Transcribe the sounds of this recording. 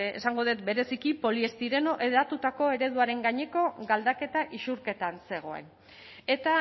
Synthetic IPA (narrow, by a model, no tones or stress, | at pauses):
ḛsaŋɡo̞ðet̪be̞ɾe̞sikipo̞lie̞st̪iɾe̞noʔeðat̪ut̪ako̞e̞ɾe̞ðuaɾe̞ŋɡaɲe̞ko̞ɡald̪ake̞t̪aʔisuɾke̞t̪anse̞ɣ̞o̞e̞̰n | e̞t̪a